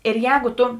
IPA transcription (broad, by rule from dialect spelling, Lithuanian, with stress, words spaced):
ɪr ˈjɛːɡʊ ˈtʊ